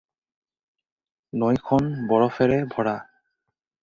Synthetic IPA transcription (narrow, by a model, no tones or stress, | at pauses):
nojkʰɔnbɔɹɔfeɾebʱɔɽa